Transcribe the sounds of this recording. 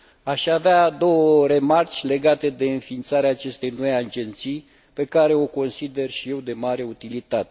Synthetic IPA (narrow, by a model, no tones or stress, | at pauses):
aʃavead̪o̞wəɾe̞mart͡ʃʲle̞ɡat̪e̞d̪e̞ɨnfint̪saɾeaːt͡ʃe̞st̪e̞jno̞jad͡ʒe̞nt̪sij | pe̞kaɾe̞o̞ko̞nsid̪e̞rʃije̞wd̪e̞maɾe̞ut̪ilit̪at̪e